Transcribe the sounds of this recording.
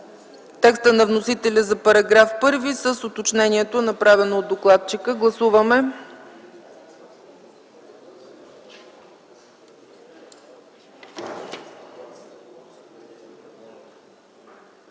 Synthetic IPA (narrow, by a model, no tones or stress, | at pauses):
t̪ɛkst̪ənɐvnosit̪ɛlʲəzɐpɐɾɐɡɾafpɤɾvisəsot̪ot͡ʃnɛniɛt̪onɐpɾavɛnoːd̪oklˠat̪̚t͡ʃikəɡlˠɐsuvəmɛ